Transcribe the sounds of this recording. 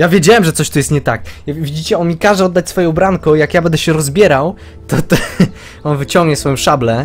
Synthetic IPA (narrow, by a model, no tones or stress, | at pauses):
javʲjed͡ʑawɛmʐɛt̪sɔɕt̪ujɛst̪ɲɛt̪ak̚vʲid͡ʑit͡ɕɛɔmʲikaʐɛɔd̪ːat͡ɕʲsfɔjɛ̃wbɾaŋkɔjakjabɛnd̪ɛɕɛɾɔzbʲjɛɾaw | t̪ɔt̪ | ɔnvɘt͡ɕɔ̃ŋɡɲɛsfɔjɔ̃w̃ʂablɛ